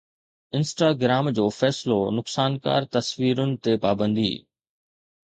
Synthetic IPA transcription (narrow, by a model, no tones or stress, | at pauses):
ɪ̃nsʈaːɡɾaːmd͡ʑoːfɛːsɪlonʊksaːnka̰ːɾt̪ɐsʋiːɾʊnɪ̆t̪epaːbə̃nd̪ḭː